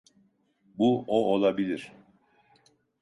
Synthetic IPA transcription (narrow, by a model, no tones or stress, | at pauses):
buoʔolˠabilʲiɾ̥